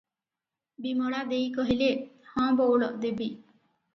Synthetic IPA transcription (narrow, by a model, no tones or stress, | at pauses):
bimɔɭad̪ejkɔɦilehɔ̃ːbowɭɔd̪ebi